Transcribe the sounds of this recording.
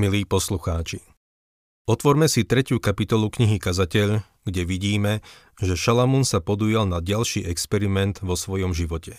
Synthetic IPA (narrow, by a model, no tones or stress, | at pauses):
miliːpɔsluxaːt͡ʃi | ɔt̪ʋɔɾmɛsit̪ɾɛcukapit̪ɔlukɲiɦikazacɛʎ | ɡɟɛʋiɟiːmɛ | ʒɛʃalamunsapɔd̪uːjalnaɟalʃiːʔɛkspɛɾimɛnd̪ʋɔsʋɔjɔmʒiʋɔcɛ